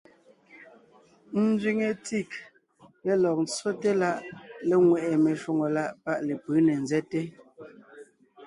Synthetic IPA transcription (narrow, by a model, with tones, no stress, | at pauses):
n̩˦d͡zɥi˨ŋe˨ti˦˨k̚ | le˨lɔ˨k̚n̩˦t͡so˦te˦la˦ʔlɛ˦ŋwɛ˨ʔɛ˨me˨ʃwu˦ŋo˨la˦ʔpa˦ʔle˨pɯː˨˦ne˨nzɛ˦te˦